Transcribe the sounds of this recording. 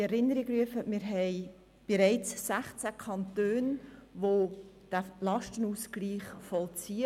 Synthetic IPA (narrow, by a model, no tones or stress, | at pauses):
ɛɾɪnəɾiɡɾyəfəmɪːɾɦɛɪ | b̥eɾɛɪt͡ssæχt͡sækʰɑntøːnʋod̥ælɑʃtənuːsɡliːχfɔlt͡siːə